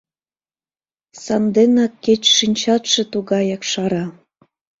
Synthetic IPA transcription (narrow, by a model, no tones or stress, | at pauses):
sɑnd̪enɑkːet͡ɕʃinʲt͡ɕɑt̪ʃĕt̪uɣɑjɑkʃɑɾɑ